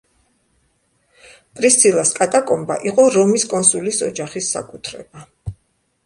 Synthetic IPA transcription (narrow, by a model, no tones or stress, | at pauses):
pʼɾist̪sʰilˠaskʼat̪ʼakʼɔmba̰ʔiqʼɔɾɔmiskʼɔnsulisɔd͡ʒaχisːa̰kʼut̪ʰɾɛ̰ba